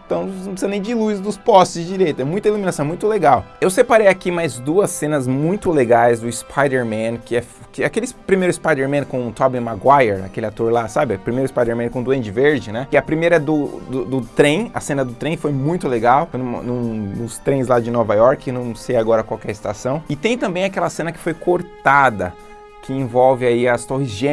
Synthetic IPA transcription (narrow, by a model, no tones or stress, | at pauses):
t̪ɐ̃w̃nũpsizɐ̃nẽj̃d͡ʒɪluzd̪ʊspɔst͡ʃɪzd͡ʒiɾejt̪ʊɛmũj̃t̪ɐiluminasɐ̃mũj̃t̪ʊleɡawewsepaɾejakimajzd̪uɐsẽnɐzmũj̃t̪ʊleɡajzd̪ʊispʰajd̪eɾmɐ̃nkɪɛf | kɪakelɪpɾimejɾʊispajd̪eɾmẽnkõʊt̪ʰɔbĩmaɡwajeɾa̰kelɪat̪oɾlasabɪpɾimejɾʊispajd̪eɾmẽnkõd̪uẽd͡ʒɪveɾd͡ʒɪnɛkɪɐpɾimejɾɐd̪ʊd̪ʊd̪ʊt̪ɾẽj̃ɐ̰sẽnɐd̪ʊt̪ɾẽj̃fojmũj̃t̪ʊleɡawnʊ̰nʊ̃nʊst̪ɾẽj̃zlad͡ʒɪnɔvajɔɾkɪewnɐ̃w̃sejaɡɔɾɐkwawkɛɾɪst̪asɐ̃w̃ɪt̪ẽj̃t̪ɐ̃mbẽj̃akɛlɐsẽnɐkɪ̥fojkʰoɾt̪ad̪ɐ | kɪẽvɔwvɪaiɐst̪ohizʒẽ